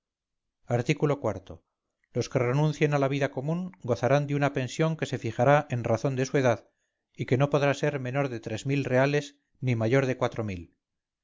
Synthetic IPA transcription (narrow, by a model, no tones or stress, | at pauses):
aɾt̪ikulo̞kwaɾt̪o̞ | lo̞skere̞nũnθje̞nalaβ̞iðakomũŋɡo̞θaɾand̪eunape̞nsjo̞ŋke̞se̞fixaɾaʔe̞nraθo̞nd̪e̞sue̞ðað | ike̞no̞po̞ðɾase̞ɾmẽ̞no̞ɾðe̞t̪ɾe̞zmilre̞ale̞s | nimaʝo̞ɾðekwat̪ɾo̞mil